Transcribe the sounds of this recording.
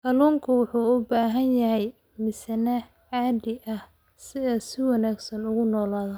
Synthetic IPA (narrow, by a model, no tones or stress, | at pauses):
kɐluːŋkʰʊwʊħuːʊbaːɦɐnjɐɦɛj | mɪsɐnɐ | ʕɑːdɪʔɐh | sɪðɐsɪwɑnaːɡsɐnʊɣʊnɔːlaːðɐ